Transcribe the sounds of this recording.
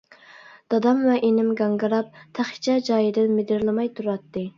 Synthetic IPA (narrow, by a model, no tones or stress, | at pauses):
d̪̥ɑd̪ɑmvɛʔenɪmɡɑŋɡɨɾɑp̚t̪ʰæχt͡ʃʰɛd͡ʒɑːjɨd̪ɪnmɪd̪ɪɾlˠɪmɑjt̪ʰuɾɑt̪ːɨ